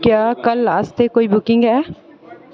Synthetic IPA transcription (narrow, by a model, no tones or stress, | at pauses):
kjaːkɐlɾaːst̪ekoːibʊkɪ̃ŋɡɦɛː